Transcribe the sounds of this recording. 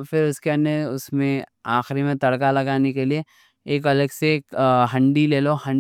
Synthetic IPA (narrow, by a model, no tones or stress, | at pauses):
fɪɾʊskeɐ̃ndeʊsmẽaːxɪɾimẽt̪ɐɽkalɐɡaːnekelieː | kɐləɡsekɦɐ̃ɳɖileːlohɐ̃ɳ